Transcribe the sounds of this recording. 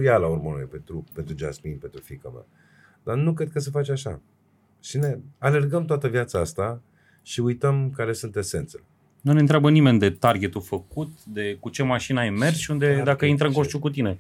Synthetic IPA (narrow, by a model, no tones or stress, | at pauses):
jalaurmono̰jepent̪ɾupent̪ɾud͡ʒa̰sminpent̪ɾufika̰ma̰ | d̪anukɾed̪̚kəs̬efat͡ʃaʃa̰ | ʃine̞ale̞rɡəmt̪oat̪əvjat̪saast̪a | ʃiujt̪əmkaɾe̞sunt̪e̞se̞nt̪sele | nune̞nt̪ɾʲeabənime̞nʲd̪e̞t̪arɡʲe̞t̪ufəkut̪d̪e̞kut͡ʃe̞maʃinəajme̞rsʃiund̪e̞d̪akəint̪ɾəɨŋkoʃt̪ʲukut̪ine